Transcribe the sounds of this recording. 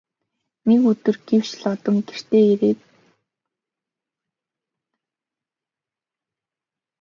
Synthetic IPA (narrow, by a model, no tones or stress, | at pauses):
nekɵt̪ɵ̆rɡ̥ew̥t͡ɕɮɔt̪ɞ̆mɡer̥t̪eːeɾeːt̪